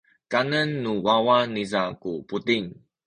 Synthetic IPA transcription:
kanənːuwawanizakuput̪iŋ

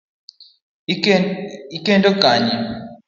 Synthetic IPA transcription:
ikʼɛntʼɔkaːɲɛ

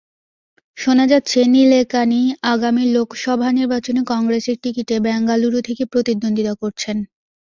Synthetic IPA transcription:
ʃonad͡ʑat̪ːɕʰenilekaniaɡamilokʃɔbʱaniɾbat͡ɕonekɔŋɡɾeseɾʈikiʈebɛŋɡaluɾut̪ʰekepɾot̪id̪ːond̪it̪akoɾt͡ɕʰen

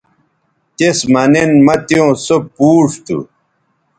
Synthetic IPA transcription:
t̪esmɐnenmɐt̪jjõːsopuːʂt̪ṵ

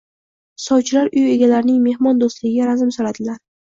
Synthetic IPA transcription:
sɒwt͡ʃʰɪlaɾʊje̞ɡʲalaɾɪnɪŋme̞hmɒnd̪ost̪lɪɡʲɪɡʲaɾazɪmsoɾad̪ɪlaɾ

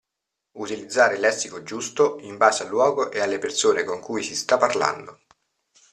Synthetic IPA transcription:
ut̪ilid̪zːaːɾelɛsːikod͡ʒust̪oimbaːzealːwɔːɡoʔealːepersoːnekoŋkujsist̪apːarla̰nd̪o

